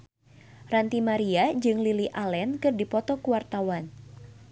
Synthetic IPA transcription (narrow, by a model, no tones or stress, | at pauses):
rant̪imaɾiad͡ʒɨŋliliʔalɛnkɨrdipɔt̪ɔkuwart̪awan